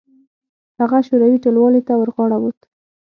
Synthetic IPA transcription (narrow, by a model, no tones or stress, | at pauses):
haɣaʃoɾɑwiʈolwɑlet̪awəɾɣɑɽawut̪